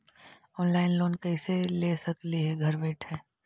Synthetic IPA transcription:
ɔːnlaːɪnloːnkɐɪselesɐkliɦɛɡʱɐɾbɛːʈʰɛ̃ː

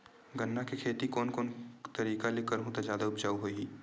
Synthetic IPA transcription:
ɡənːakekʰeːt̪ikoːnkoːnt̪ɐɾiːkalɪkəɾɦũt̪ad͡ʒjaːd̪aʊpd͡ʒaːwɦoːiiː

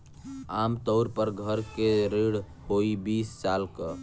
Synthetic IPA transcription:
amt̪əʊɾpəɾɡʱəɾkeɾiɽ | hoibisːalkə

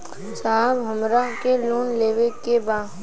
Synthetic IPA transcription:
saːbɦəmɾakeloːnleːʋekebaː

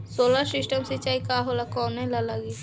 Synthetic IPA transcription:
soːlaɾsɪsʈəmsɪt͡ʃaːikaɦolakɔːnːɛ̃lalaɡi

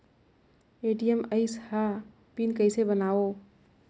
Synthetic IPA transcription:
eʈijeməɪsha | pinkəɪsebənao

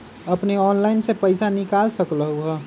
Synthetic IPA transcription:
əpneɔːnlaɪnsepəɪsanikalsəkləɦuɦə

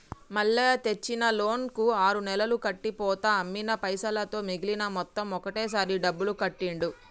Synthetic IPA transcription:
mɐɭːeːt̪e̞t͡ʃːinɐlo̞ːnkuaːɾunɛlɐlukɐʈːipɔːt̪ɐːmːinɐpɐjsɐlɐt̪o̞ːmiɡilinɐmɔt̪ːɐmɔkɐʈe̞ːs̬aːɾiɖɐbːulukɐʈːiɳɖu

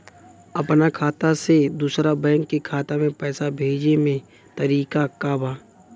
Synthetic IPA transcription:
ɐpnakʰaːt̪ased̪uːsɾabɛ̃ːŋkːikʰaːt̪amẽpɛːsabʱeːd͡ʒnemẽ | t̪əɾiːkakaːbaː

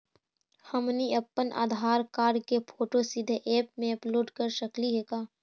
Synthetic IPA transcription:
həmniəpːənʔa̰ːd̪ʱaːɾkaːɖkepʰoːʈosɪd̪ʱʔeːp̚mẽɐploːɖkəɾʃəkliɦeːkaː

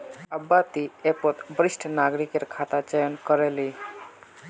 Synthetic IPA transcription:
əbːat̪iepot̪bɾisʈʰnaɡɾikeɾkʰat̪at͡ʃəjənkɔɾeli

